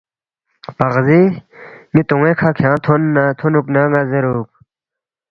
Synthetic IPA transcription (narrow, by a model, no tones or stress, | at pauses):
pɐʁzi | mit̪uŋekʰakʰjãːt̪ʰonːat̪ʰonuknaŋazeɾuːk̚